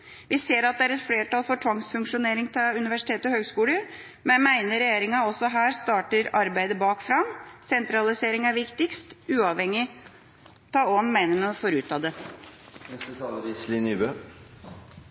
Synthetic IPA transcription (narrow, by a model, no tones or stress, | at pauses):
ʋɪseːɾɑt̪̚d̪ɛæːɾɛt̪fleːʈɑlfɔʈʰʋɑŋsfʉŋkʂʊneːɾɪŋt̪ʰʉnɪʋæʂɪt̪ʰeːt̪əɔhøːɡskuːləɾ | mɛnmæɪnəɾɛjeːɾɪŋɑɔsɔɦæːɾst̪ɑːʈəɾɑɾbæɪd̪əbɑːkfɾɑmsɛnt̪ɾɑlɪseːɾɪŋæɾʋɪkt̪ɪkst̪ʉːɑʋhɛŋːɪ | t̪ʰɑːɔnmæɪnəməɔfɔɾʉːt̪ʰɑːd̪ɛ | ɛst̪ət̪ʰɑːləɾɪslinyːbø